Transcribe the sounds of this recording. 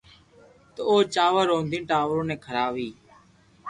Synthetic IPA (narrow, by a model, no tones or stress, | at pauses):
t̪əoːt͡ʃaːʋəɾoːnd̪ʱiːnʈaːʋɾõːneːkʰəɾaːʋiː